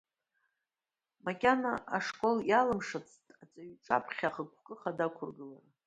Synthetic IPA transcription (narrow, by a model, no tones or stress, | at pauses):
makʲʼanaaʂkʷʼo̞ljalɨmʂat͡sʰtʼat͡sʼaɥt͡sʼa̰pʰχʲaχəkʷʰkʼɨχadakʷʰʊrɡɨlara